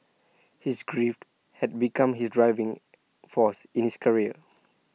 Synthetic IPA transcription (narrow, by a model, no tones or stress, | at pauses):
hisɡɹift | hɛd̚bikãmɦisdɹaɪvĩŋ | fɔsĩnhiskʰəɹiə̰